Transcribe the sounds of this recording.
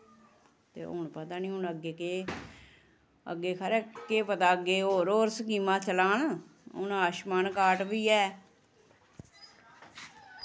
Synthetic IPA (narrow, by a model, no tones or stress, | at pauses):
t̪ḛːo̰ɳpət̪aːnĩːɦʊnəɡeːkeː | ə̰ɡeːkʰəɾeːkeːpət̪aːəɡeːoːɾoːɾsəkiːmãːt͡ʃəlaːnʊ̰naːʃmaːnkaːʈʋiːɛː